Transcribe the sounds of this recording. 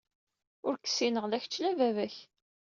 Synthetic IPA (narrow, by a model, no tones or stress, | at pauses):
ʊɾkə̥sːinəʁlæçt͡ʃːlævævæç